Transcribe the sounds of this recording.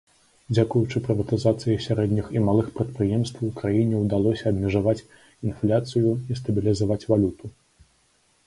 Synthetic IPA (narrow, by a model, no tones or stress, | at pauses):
d͡zʲakujut͡ʂɨpɾɨvɐt̪ɨzat̪sɨjisʲaɾɛd̪ʲnʲiximalˠɨxpɾɐt̪pɾɨjɛmst̪vɐwkɾajinʲɛwd̪alˠɔsʲɐːbmʲɛʐavat͡sʲ | inflʲat̪sɨjuis̬t̪ɐbʲilʲizavat͡sʲvalʲut̪u